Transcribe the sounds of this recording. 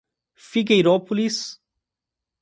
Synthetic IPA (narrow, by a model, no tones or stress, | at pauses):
fiɡejɾɔpulis